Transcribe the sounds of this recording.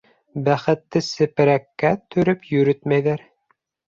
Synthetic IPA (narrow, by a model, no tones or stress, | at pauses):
bæχɘ̆t̪ːɘsɘ̆pɘ̆ɾækːæt̪ʰɵ̆ɾɵpjɵ̆ɾɵt̪mæjðæɾ